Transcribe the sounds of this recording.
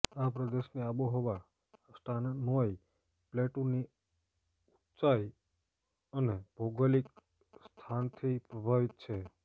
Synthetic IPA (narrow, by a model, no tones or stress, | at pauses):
apɾəd̪eʃneaboɦoʋa | sʈannoj | pleʈũni | ut̪sai | əneb̥ʱoɡəlik | st̪ʰant̪ʰipɾəbʱaʋit̪̚t͡ʃʰe